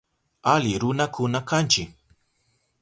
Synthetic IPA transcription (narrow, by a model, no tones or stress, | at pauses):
alɪɾʊnakʊnakʰant͡ʃɪ